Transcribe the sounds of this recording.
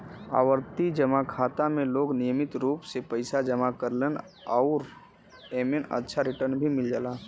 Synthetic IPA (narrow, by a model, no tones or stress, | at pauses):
a̰ːwəɾt̪id͡ʒəmakʰaːt̪amẽloːɡnijəmɪt̪ɾuːpsepəɪsad͡ʒəmakəɾlen | aʊɾ | eːmenə̰tːʃʰaɾɪʈəɾnbʱimɪld͡ʒalaː